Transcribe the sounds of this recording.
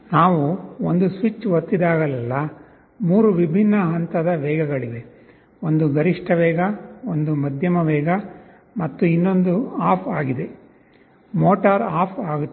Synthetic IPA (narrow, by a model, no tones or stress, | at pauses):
naːʋuond̪usʋit͡ʃːʋɐt̪ːid̪aːɡɐlɛlːɐ | muːɾuʋibʱinːɐɦɐnt̪ɐd̪ɐʋɛːɡɐɡɐɭiʋe̞ | ond̪uɡɐɾiʂʈʰɐʋɛːɡɐond̪umɐd̪ʱjɐmɐʋɛːɡɐ | mɐt̪ːuinːo̞nd̪uaːpʰaːɡid̪e̞ | moːʈaɾaːpʰaːɡu